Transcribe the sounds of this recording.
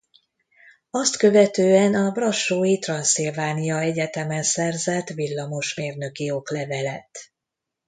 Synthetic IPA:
ɒst̪kø̞vɛt̪øːɛnɒbrɒʃoːjit̪rɒnsilvaːnijɒɛɟɛt̪ɛmɛnsɛrzɛt̪vilːɒmo̞ʃmeːrnø̞kio̞klɛvɛlɛt̪

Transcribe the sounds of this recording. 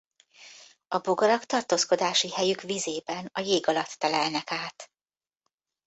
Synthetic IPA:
ɒboɡɒɾɒkt̪ɒrt̪oːsko̞d̪aːʃihɛjykʋizeːbɛnɒjeːɡɒlɒt̪ːɛlɛlnɛkaːt̪

